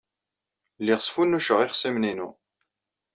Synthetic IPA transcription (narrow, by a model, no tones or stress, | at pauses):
lːiʁəsˤfunːuʃəʁiχsimninu